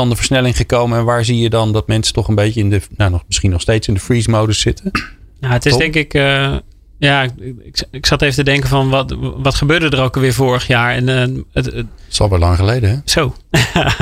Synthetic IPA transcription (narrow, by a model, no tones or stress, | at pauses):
ɑndəvəɹsnɛlɪŋχəkowməɛnʋaːɹzijədɑndɑt̚mɛnsə̥tɔχənbejtəɪndənanɔmɪsχinɔχstejtsɪndəfɹiːsmowdəsːɪtən | jaətɪsdɪŋkɪk | jaɪkɪksɑtevətədɛŋkəfɔnʋɔtʋɑtχəbøːɹdədərowkəʋɪːɹvoːɹəχjaːɹɛnə | sɑ̰lˠʋɛlɑŋχəlejdəɦɛsow